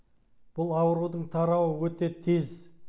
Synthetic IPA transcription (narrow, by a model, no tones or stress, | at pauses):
b̥ʊlˠɑwəɾud̪əɴt̪ʰɑɾɑwəwɵt̪e̞t̪ʰe̞z